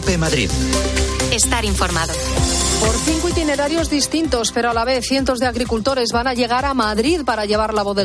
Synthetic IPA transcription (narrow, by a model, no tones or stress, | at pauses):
pemaðɾḭð | est̪aɾiɱfoɾmaðopo̞ɾθiŋkwit̪ine̞ɾaɾjo̞zðist̪int̪o̞spe̞ɾoalaβe̞θje̞nt̪o̞zðeaɣɾikult̪o̞ɾe̞zβanaʎe̞ɣ̞aɾamaðɾiðpaɾaʎe̞β̞aɾlaβoðe